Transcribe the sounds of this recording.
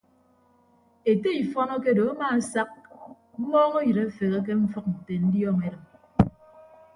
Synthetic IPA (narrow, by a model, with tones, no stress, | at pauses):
e˨te˦i˨fɔ˦nɔ˦ke˦do˨a˦ma˦a˦sa˦k̚ | m̩˦mɔː˦ŋo˦jɨ˨ɾe˦fe˨ɣe˦k̬e˦ɱ̩˦fʌ˦k̚n̩˨te˨n̩˦djɔː˦me˨ɾɨ˨m